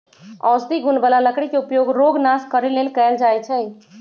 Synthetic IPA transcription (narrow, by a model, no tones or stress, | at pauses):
ɔːsd̪iɡʱʊnbəlaləkɽikeʊpjoːɡɾoːɡnaːskəɾeleːlkɛːld͡ʒaːjt͡ʃʰɛ